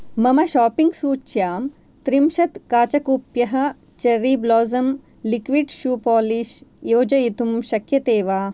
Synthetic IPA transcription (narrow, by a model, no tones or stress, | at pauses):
mɐmɐʃaːpiŋɡsuːt͡ʃjaːm | t̪ɾimʃɐt̪kaːt͡ʃɐkupjɐɦɐ̆ | t͡ʃɐɾiːblɔːzɐm | likʋiɖʃuːpɔːliʃjoːd͡ʒɐjit̪umʃɐkʰjɐt̪eːʋaː